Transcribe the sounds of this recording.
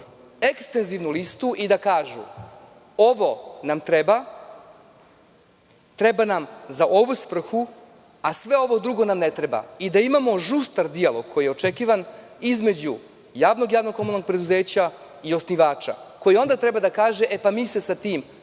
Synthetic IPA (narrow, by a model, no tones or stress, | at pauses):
ekst̪e̞nziʋnulist̪uʔid̪akaːʒṵ | o̞ʋo̞namt̪ɾeba | t̪ɾebanamzaʔo̞ʋusʋr̩xu | asʋeo̞ʋo̞d̪ɾuɡo̞namnet̪ɾe̞ba̰id̪aimamo̞ʒust̪aɾd̪ialo̞ɡ̥̚kʰojijeot͡ʃekiːʋan | izme̞d͡ʑu | jaːʋno̞ɡjaːʋno̞ɡomlnoɡ̚pɾe̞d̪uze̞ːt͡ɕa | io̞sniʋaːt͡ʃa̰ko̞jio̞nd̪at̪ɾe̞bad̪akaːʒeʔepamiːsesat̪iːm